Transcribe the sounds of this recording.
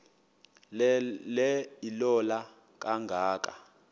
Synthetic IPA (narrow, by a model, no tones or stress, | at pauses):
lɛilɔla | k̬ʼaŋɡʱaːk̬ʼa̰